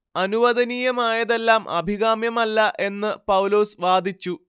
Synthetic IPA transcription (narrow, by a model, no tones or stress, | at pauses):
ɐnuʋɐðɐniːjɐmaːjɐðe̞lːaːmʔɐ̰bʱiɣaːmjɐmɐlːɐʔe̞nːɨpɐwlo̞ːsʋaːd̪ʱit͡ɕːu